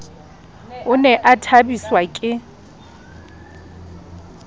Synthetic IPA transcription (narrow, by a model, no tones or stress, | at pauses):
ʊnɛʔatʰabiswakʼɪ